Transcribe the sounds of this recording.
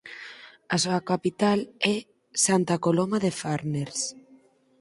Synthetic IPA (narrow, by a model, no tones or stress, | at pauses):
asoakapit̪alɛ | sant̪akolomaðefaɾneɾs